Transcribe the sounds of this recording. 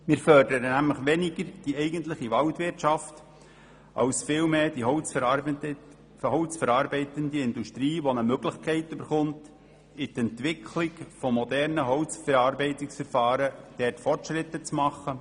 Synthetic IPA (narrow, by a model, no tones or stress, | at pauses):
mɪːɾfœrdəɾənæmləχʋɛnɪɡəɾd̥iɛɪɡ̥əntləχiʋɑltʋɪrtʃɑft | ʔɑ̰wsfɪːlmeːd̥iɦɔʊt͡s | hɔʊt͡sfɛɾɑːɾbɛɪtəndiɪnduʃtɾiːʋɔnəmøɡləχkʰɛɪtøbəɾχʊnt | ɪtɛnt̪ʋɪkʰlɪkfɔmɔd̪ɛɾnəɦɔʊt͡sfɛɾɑːrbɛɪtɪksfɛɾfɑːɾəd̥ɛrtfɔrtʃɾɪt̪ːət͡smɑχə